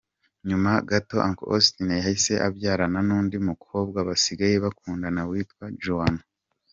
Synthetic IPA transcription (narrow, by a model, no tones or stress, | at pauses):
ɲumaɡato̞ʔaŋko̰stinejahise̞ʔabɟaːɾananuːndimukʰo̞ːb̚ɡaβasiɡajeβakuːndanawiːtkwad͡ʒuano